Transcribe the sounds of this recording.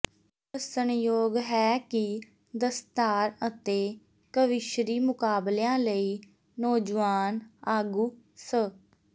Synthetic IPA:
əsənjoːɡɦɛːkɪ | d̪əst̪aːɾət̪eː | kəʋɪʃɾiːmʊkaːbljãːləiː | nɔːd͡ʒʋaːnaːɡuː | sə

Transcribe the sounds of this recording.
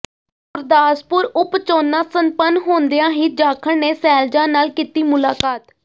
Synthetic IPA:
ʊɾd̪aːspʊɾʊpt͡ʃoːnãːsənpənɦoːnd̪ejãːɦiːd͡ʒaːkʰəɽneːsɛːld͡ʒãːnaːlkiːt̪iːmʊlaːkaːt̪

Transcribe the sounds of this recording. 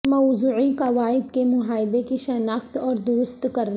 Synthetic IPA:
mɔzuːʕikaʋaːɪd̪kemʊɦaːɪd̪ekiʃɐnaːxt̪ɔːɾd̪ʊɾst̪kɐɾna

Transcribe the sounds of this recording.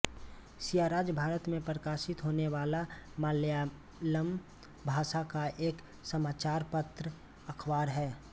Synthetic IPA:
sijaːɾaːd͡ʒbʱaːɾət̪mẽpɾəkaːʃɪt̪ɦoːneʋaːlamaːlja | ləm | bʱaːʃakaʔeːk | səmaːt͡ʃaːɾpət̪ɾə | əkʰwaːɾɦɛː

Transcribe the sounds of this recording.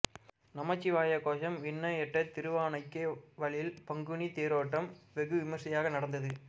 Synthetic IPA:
nɐmɐt͡ʃːiʋaːjɐkoːʃɐmʋɪɳːɐjɛʈːɐt̪ɪɾɯʋaːɳɐɪkːeʋɐɭɪɪlpɐŋɡɯɳit̪eːɾoːʈːɐmʋɛɣɯʋɪmɐʂɐjaːɣɐnɐɽɐnd̪ɐðɯ

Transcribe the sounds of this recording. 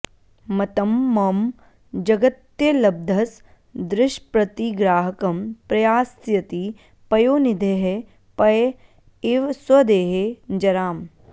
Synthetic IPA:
mɐt̪ɐmːɐm | d͡ʒɐɡɐt̪jɐlɐb̚d̪ʱɐs | d̪ɾɪʃpɾɐt̪iɡɾaːɦɐkɐmpɾɐjaːsjɐt̪i | pɐjoːnid̪ʱeɦe | pɐj | iʋswɐd̪eːɦed͡ʒɐɾaːm

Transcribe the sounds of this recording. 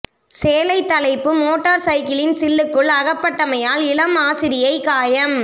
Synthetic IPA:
seːlɐɪt̪ːɐlɐɪpːɯmoːʈːɐɾsɐɪkɪlɪnsɪlːɯkːɯɭɐɣɐpːɐʈːɐmɐjaːlɪlɐmaːsɪɾɪjɐɪkaːjɐm

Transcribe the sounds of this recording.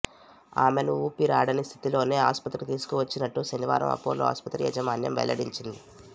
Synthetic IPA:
a̰ːmenuuːpiɾaːɽɐnist̪ʰi̥t̪ilo̞ːne̞ːaːspɐt̪ɾikt̪iːsu̥kuʋɐt͡ʃːinɐʈːuʃɐniʋa̰ːɾɐ̰mɐ̰pːoːloːa̰ːspɐt̪ɾḭjɐd͡ʒɐmaːnjɐ̰mʋɛ̰jlɐɽiɲt͡ʃind̪i

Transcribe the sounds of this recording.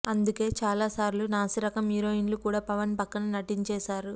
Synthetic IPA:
ɐnd̪uke̞ːt͡ʃaːlaːsaːɾlunaːsiɾɐkɐmiːɾo̞ːinlukuːɽaːpɐʋɐnpɐkːɐnɐnɐʈiɲt͡ʃɛːsaːɾu

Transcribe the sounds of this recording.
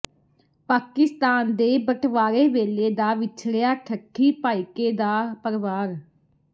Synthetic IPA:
paːkɪst̪aːnd̪eːbəʈʰʋaːɾeːʋeːleːd̪aːʋɪt͡ʃʰɽejaːʈʰəkʰːiːpaːɪkeːd̪aːpəɾɪʋaːɾ

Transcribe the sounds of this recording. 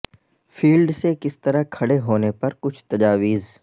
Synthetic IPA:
fʰiːlɖsekɪst̪ɐɾəkʰɐɽeɦoːnepɐɾkʊt͡ʃʰt̪ɐd͡ʒaːʋiːz

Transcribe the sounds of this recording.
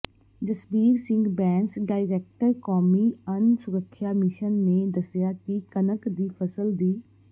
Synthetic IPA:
d͡ʒəsbiːɾsɪ̃ŋɡbɛ̃ːnsɖaːɪɾɛːk̚ʈəɾkɔːmiːənsʊɾəkʰːjaːmɪʃənːeːd̪əsɪjaːkikənəkd̪iːpʰəsəld̪iː

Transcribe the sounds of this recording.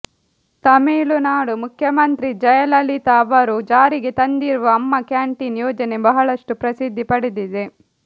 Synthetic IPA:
t̪ɐmeːlunaːɽumukʰjɐmɐnt̪ɾid͡ʒɐjɐlɐlit̪aːʋɐɾud͡ʒaːɾiɡet̪ɐnd̪iɾuʋɐːmːɐkjaːɳʈinjɔːd͡ʒɐne̞bɐɦɐɭɐʂʈupɾɐsid̪ʱːipɐɽid̪id̪e̞

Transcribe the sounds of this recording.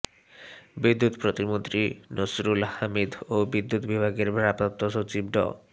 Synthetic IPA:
bid̪ːut̪pɾot̪imont̪ɾinosɾulhamid̪obid̪ːut̪bibʱaɡeɾɾap̪ott̪ːoʃot͡ɕibɖɔ̰

